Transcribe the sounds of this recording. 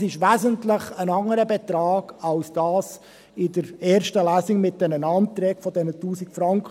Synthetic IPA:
sɪʃʋæːzəntləχənɑŋəɾəbɛt̪ɾɑːɡ̥ɑlsd̥ɑːs | ɪdəɾɛːɾʃtəlæːsɪŋmɪt̚dɛnənɑːntɾɛːɡfɔdɛnətuːsikfɾɑŋkχə

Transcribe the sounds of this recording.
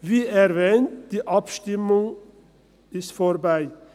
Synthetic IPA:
ʋiːæɾʋeːnt̪̚d̪̥iːʔɑpʃt̪ɪmʊŋ | ɪst̪fɔɾbæɪ

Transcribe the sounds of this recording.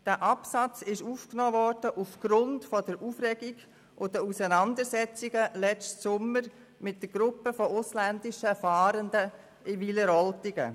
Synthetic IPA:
d̥æːʔɑpsɑt͡sɪʃuːfknoːvɔɾd̥əʔufɡ̥ɾʊndfɔdəɾʔuːfɾɛɡiɡ | ʔʊdəusənɑndəɾsɛt͡siɡəlɛt͡stsʊmːəɾ | mɪt̚d̥əɾɡ̥ɾʊpəfɔʊslændɪʃəfɑːɾəndə | ɪʋiləɾɔltiɡə̰

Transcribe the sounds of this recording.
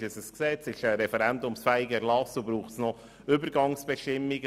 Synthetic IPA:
əsəsksɛt͡sɪʃəɾɛfɛɾɛnd̪ʊmsfæɪɡəɛɾlɑsubɾuːχtsnɔ | ʏbəɾɡɑŋsb̥ɛʃtɪmːiɡ

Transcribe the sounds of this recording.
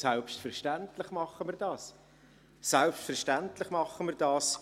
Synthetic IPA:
sɛlpstfɛʁʃtæntlɪχmɑχːəmiːɾdɑːs | sɛlpʃtfɛʁʃtæntlɪχmɑχəmiːɾdɑːs

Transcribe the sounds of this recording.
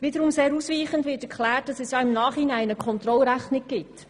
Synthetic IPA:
ʋɪd̪əɾʊmseːɾuːsʋiːχəndʋɪːtɛɾkχlæːt̚d̥ɑsɛsjɑːɪmnɑːχhinæɪnəkʰχɔnt̪ɾɔlɾæχnɪk̚ɡ̥ɪt

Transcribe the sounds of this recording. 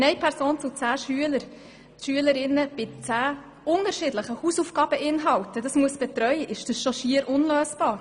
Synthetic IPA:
nɛjpʰɛɾsoːnt͡sʊt͡sæːʃyələɾ | ʃyələɾɪnːəb̥ɪt͡sæː | ʊnəɾʃɪdləχəhuːsufɡ̥ɑːb̥əʔɪnɦɑwtədɑsmuəsb̥ɛt̪ɾœʏəʔɪʃd̥əsʃɔʃiəɾʔʊnløːsb̥ɑːɾ

